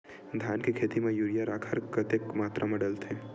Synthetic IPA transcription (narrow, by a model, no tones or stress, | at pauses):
d̪ʱjaːnkekʰeːt̪imẽjuːɾijaɾaːkʰəɾkɐt̪ekmaːt̪ɾʔamɐɽəlt̪ʰe